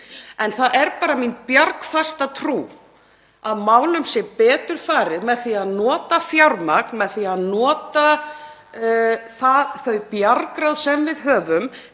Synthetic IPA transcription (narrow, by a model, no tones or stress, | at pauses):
ɛnθaðʔɛɾpaːɾaminpjaɾkfast̪at̪ʰɾuː | aðmaːwlʏmsjɛpɛːt̪ʏɾ̥faːɾɪðmɛðθiaðnɔːt̪afjawɾmaknmɛðθiaðnɔːt̪a | θaðθœɥpjaɾkɾawðsɛmvɪðɦœːvʏm